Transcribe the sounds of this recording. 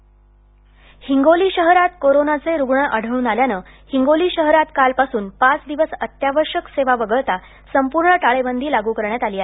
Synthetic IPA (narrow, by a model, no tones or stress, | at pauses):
hiŋɡoliːɕəɦɾat̪koɾonat͡seɾuɡɳəʔəɽ̤əɭuːnaljanəː | hiŋɡoliːɕəɦɾat̪kalpasuːnpat͡sd̪iʋəsət̪jaʋəɾɕəkseʋaʋəɡəɭt̪a | səmpuɾɳəʈaɭebənd̪ʱiːlaɡuːkəɾɳjat̪aliːa